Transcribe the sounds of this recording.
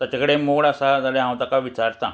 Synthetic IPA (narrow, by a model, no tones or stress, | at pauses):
t̪jat͡ɕakəɽemoɡɭəsad͡zaleɦãw̃t̪akaʋit͡ɕaɾt̪ã